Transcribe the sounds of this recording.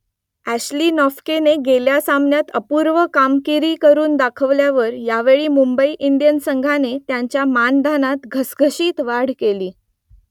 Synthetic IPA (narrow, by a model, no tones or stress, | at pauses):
æɕliːnɔfkeneɡeljasamnjat̪əpuɾʋəkamkiɾiːkəɾuːnd̪akʰəʋljaʋəɾjaʋeɭiːmumbəiʔind̪ijənsəŋɡʱanet̪jaɲt͡ɕjamand̪ʱanat̪ɡʱəsɡʱəɕiːt̪ʋaɽ̤keliː